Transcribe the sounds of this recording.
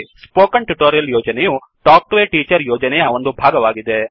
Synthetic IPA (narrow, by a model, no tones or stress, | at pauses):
spoːkɐɳʈuʈoːɾijɐljoːd͡ʒɐneju | ʈaːk̚ʈʋeːʈiːt͡ʃɐɾjoːd͡ʒɐnɛjɐo̞nd̪ubʱaːɡɐʋaːɡid̪e̞